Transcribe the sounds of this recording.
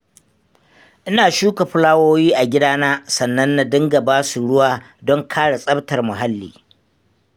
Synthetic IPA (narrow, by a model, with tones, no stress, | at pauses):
ʔɪ˦naː˨ʃuː˦ka˨ɸʊ˦laː˦woː˦jiː˦ʔa˨ɡʲɪ˦daː˦naː˦sɐ˨nːɐ˦nːa˨dɪ˦ŋɡa˨baː˦su˨ɽʊ˦waː˦ | dɔ˦ŋkʰaː˦ɽa˨sʼɐ˦btɐ˨rmʊ˨ɦa˦lːḭː˨